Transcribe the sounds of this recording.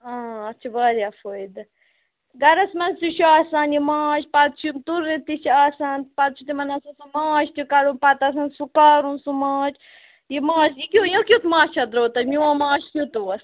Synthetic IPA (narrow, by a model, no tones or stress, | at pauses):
ãːɐt͡ʃʰɐbɐɾjaːfoːjd̪ɐ | ɡɐɾɐsmɐnsuʃuaːsaːnjimãːʃpɐt̪t͡ʃʰumt̪uɾit̪iʃaːsaːnpɐt̪̚t͡ʃʰut̪imɐnɐsɐsumaːʃt̪ukɐɾũnpɐt̪as̬ansukaːɾunsumaːt͡ʃʰ | jimãːʃjikʲujõkʲut̪mãːt͡ʃʰɐd̪ɾoːt̪ɐmʲiãmãːʃt̪ut̪uɐs